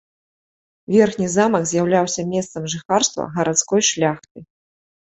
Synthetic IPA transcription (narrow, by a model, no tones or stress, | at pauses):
vʲɛrxnʲizamɐɡzʲjawlʲawsʲɐmʲɛst̪sɐmʐɨxarst̪vɐ̰ɣɐɾat̪skɔjʂlʲaxt̪ɨj